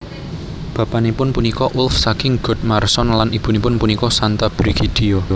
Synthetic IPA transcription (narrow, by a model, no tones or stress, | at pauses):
b̥a̤panepʊnpunikɔʔulfsakɪŋɡ̥ʊ̤d̪̚marsɔnlanʔib̥ṳnipʊnpunikɔsant̪ab̥ɾiɡ̥id̪̥io